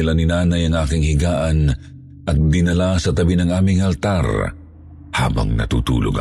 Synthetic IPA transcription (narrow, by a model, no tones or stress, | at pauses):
ɪlanɪnaːnɐjɐŋʔaːkɪŋhɪɡaːʔɐn | ʔɐt̪̚d̪ɪnɐlasɐt̪ɐbinɐŋaːmɪŋɐlt̪aɾ | ha̰ːbɐ̰ŋnɐ̰t̪ṵt̪ṵːlo̰ɡ